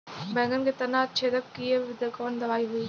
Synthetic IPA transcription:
bɛ̃ːŋɡənkʰet̪ɐnaːt͡ɕʰeːd̪əp̚kiebɪd̪əkəʋənd̪ɐʋaːiɦʊiː

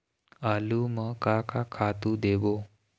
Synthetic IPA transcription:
aluməkakakʰat̪uːd̪eʋo

